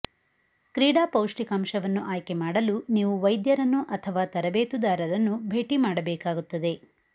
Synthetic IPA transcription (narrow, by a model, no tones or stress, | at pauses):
kɾiːɽaːpɐwʂʈikɐmʃɐʋɐnːuʔaːjkemaːɽɐluniːʋuʋɐjd̪jɐɾɐnːuʔɐt̪ʰɐʋaːt̪ɐɾɐbeːt̪ud̪aːɾɐɾɐnːubʱe̞ːʈimaːɽɐbɛːkaːɡut̪ːɐd̪e̞